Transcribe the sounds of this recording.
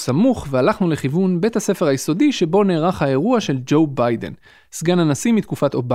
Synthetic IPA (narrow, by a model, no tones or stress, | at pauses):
samuχvealaχnule̞χivunbe̞thase̞fe̞ʁajeso̞diʃe̞bo̞neːʁaχhaeʁuaʃe̞ld͡ʒo̞wbajdḛn | sɡanhanasimit̪kufat̪oba